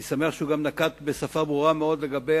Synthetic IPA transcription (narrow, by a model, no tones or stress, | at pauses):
sameaχʃeuɡamnakat̪besafabʁuʁameo̞d̪leɡabe